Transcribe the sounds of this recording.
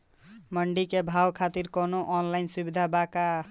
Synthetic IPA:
məɳɖikebʱawkʰat̪iɾkonoʔɔnlaɪnsubid̪ʱabaka

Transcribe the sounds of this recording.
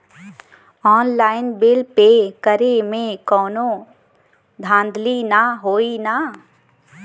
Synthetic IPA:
ɔːnlaːɪnbɪlpekəɾemẽkɔːnõ | d̪ʱãːnd̪linaɦoːina

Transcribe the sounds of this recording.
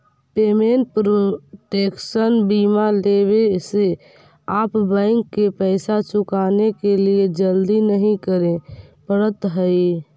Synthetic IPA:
pemeɳʈ̚pɾoʈeksənbimaleβese | aːpbə̃ɪŋkːepəɪsat͡ʃʊkanekelied͡ʒəld̪inəɦĩkəɾẽpəɾət̪ɦəi

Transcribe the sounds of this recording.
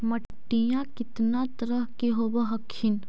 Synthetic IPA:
mɐʈːijãkɪt̪nat̪əɾəɦkeɦobəɦɐkʰːɪn

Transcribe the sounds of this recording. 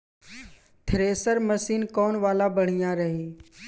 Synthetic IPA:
t̪ʰɾeːsəɾməsiːnkɔːnʋaːlabəɽ̤ijãːɾɐɦiː

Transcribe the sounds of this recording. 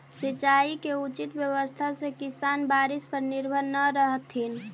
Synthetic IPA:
sit͡ʃaikeut͡ʃit̪bjəwəst̪ʰasẽkisanbaɾispəɾniɾbʱənːəɾəɦət̪ɦin

